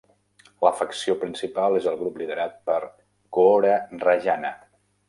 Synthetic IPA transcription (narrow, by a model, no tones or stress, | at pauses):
ləfəksiopɾinsipalˠezəlˠɣɾupliðəɾat̪̚pəɾ | kooɾərəʒanə